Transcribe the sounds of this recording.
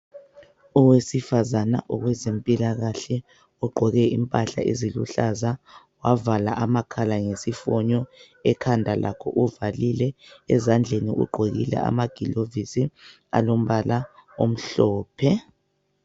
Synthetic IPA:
ɔwesifazana̰ʔɔɣwɛzempʼilaɣaɬɛ | ɔɡ͡ǃʱɔɣɛimpʼaɬa̰ʔezilṵɬaza | wavalaʔamakʰalaŋesifɔɲɔ | ɛkʰandʱalʔa̰kʰɔ̰ʔuvalilɛɛzand͡ɮʱeniṵɡ͡ǃʱoɣḭlɛ̰a̰maɡ̥ʱilovisi | a̰lom̩βalaom̩ɬɔːpʰɛ

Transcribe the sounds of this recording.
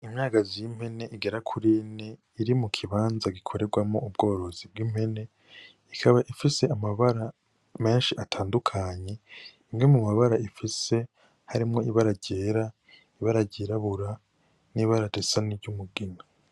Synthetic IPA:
imɲaːɡazim̥he̞ne̞ʔiɡe̞ɾakʰuɾine | iɾimukʰiβaːnzaɡikʰo̞ɾe̞ɡwamo̞ub̚ɡo̞ːɾo̞zib̚ɡiːm̥he̞ne̞ | ikʰaβaʔifise̞ʔamaβaɾa | me̞ːnʃiʔatʰaːndukʰaɲe̞imɡemumaβaɾaifise̞ | haɾimŋo̞iβaɾaɟe̞ɾa | iβaɾaɟiɾaβuɾa | niβaɾadesaniɟumuɡina

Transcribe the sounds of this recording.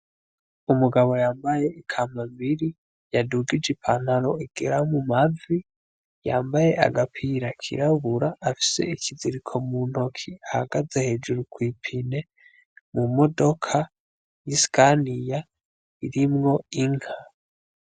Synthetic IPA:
umuɡaβo̞jaːmbaje̞ikʰaːmamiɾi | jaduɡid͡ʒipʰan̥haɾo̞iɡ̥eɾamumavi | jaːmbaje̞ʔa̰ɡapʰiɾakʰḭɾaβuɾaːfi̥se̞̰iciziɾikʰo̞mun̥ho̞kʰiahaɡ̥aze̞he̞ːd͡ʒuɾukwiːpʰine̞ | mumodo̞kʰa | jiskʰanija | iɾimŋo̞iŋ̥ha

